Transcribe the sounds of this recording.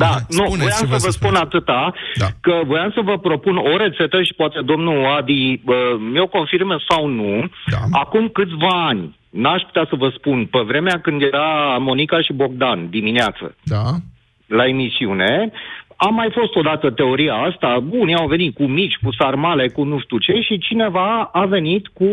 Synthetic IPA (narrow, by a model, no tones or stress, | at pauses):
d̪anuvojamsəvəspunat̪ɨt̪aakəvo̞jamsəvəpɾo̞puno̞ɾe̞t̪se̞t̪əʃi̥poat̪e̞d̪o̞mnuad̪iəmeoko̞nfirmsawnuakumkɨt̪sʲvaːnʲ | naʃput̪easəvəspunpevɾe̞meakɨnd̪je̞ɾamo̞nikaʃibo̞ɡ̚d̪and̪imineat̪sə̰ | lae̞misiune̞amːajfo̞st̪o̞d̪at̪ət̪e̞o̞ɾiaast̪abuniawve̞nit̪̚kumit͡ʃʲkusarmale̞kunuʃt̪ut͡ʃe̞ʃit͡ʃine̞vaave̞nit̪ku